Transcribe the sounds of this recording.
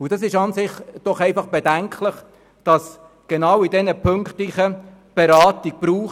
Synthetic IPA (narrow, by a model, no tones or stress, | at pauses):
ʊd̥ɑsɪʃɑnsɪχd̥ɔχɛɪfɑχb̥edæŋkʰləχ | d̥ɑs | ɡ̥enɑwidɛnəpʰɵŋktlɪχə | b̥eɾɑːtik̚b̥ɾuːχ